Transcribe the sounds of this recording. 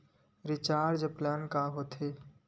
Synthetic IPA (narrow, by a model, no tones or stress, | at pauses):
ɾɪt͡ʃaːɾd͡ʒəplɛːnkaɦoːt̪ʰeː